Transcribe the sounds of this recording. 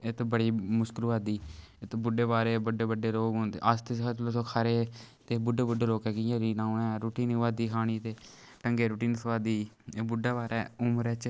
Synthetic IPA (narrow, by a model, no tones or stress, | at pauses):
et̪bəɽiːmʊʃkəlʋaːd̪iːɪt̪bʊɖeːbaːɾeːbəɖeːbəɖeːloːɡoneəst̪eskʰaːt͡ʃloːsoːkʰaːɾeː | t̪eːbʊɖeːbʊɖeːloːkɛːkiãːɾiːnaːunɛːɾuːʈiːnʋaːd̪iːkʰaːɽ̃iːt̪eː | ʈəŋɡeːɾuːʈiːnsəʋaːd̪iː | bʊɖɛːbaːɾɛːʊmɾɛːt͡ʃ